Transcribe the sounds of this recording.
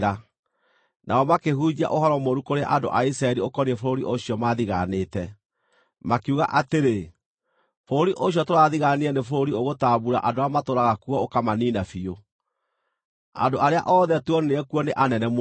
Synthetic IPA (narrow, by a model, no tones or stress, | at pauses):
ɾa | nʔaɔmakehud͡ʑia̰ʔoɦɔɾɔmoɾukoɾeaʔando̰ʔaisɾaɛɾiokɔɾiɛfoɾoɾiʔoɕiɔmaðiɣaneːtɛ | makuɣaʔateɾe | foɾoɾiʔoɕiɔtoɾaðiɣaneanefoɾoɾioɣotaːβuɾa̰ʔadoamatoɾaɣakwɔokamaniːnafio | a̰ndoʔaɾea̰ʔɔðɛtuɔneneɛkwɔneʔanɛnɛm